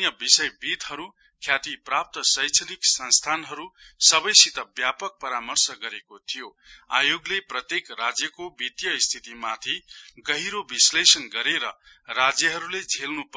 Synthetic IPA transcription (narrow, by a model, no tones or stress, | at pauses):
jʌbisʌjbit̪ɦʌɾu | kʰjat̪iprap̚t̪ʌsʌjt͡sʰʌliksʌnst̪ʰanɦʌɾusʌbʌjsit̪ʌbjapʌk̚pʌɾamʌrsʌɡʌɾekot̪ʰijo | a̰joɡleprʌt̪jekrad͡zjʌkobit̪jʌist̪ʰit̪imat̪ʰiɡʌɦiɾobislesʌnɡʌɾeɾʌ | rad͡zjʌɦʌɾuled͡zʱelnup